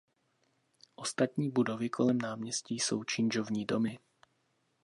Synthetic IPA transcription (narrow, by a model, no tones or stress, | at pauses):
ʔo̞st̪at̪ɲiːbudo̞vɪkʰo̞lɛmnaːmɲɛsciːjso̞wt͡ʃɪnd͡ʒovɲiːdo̞mɪ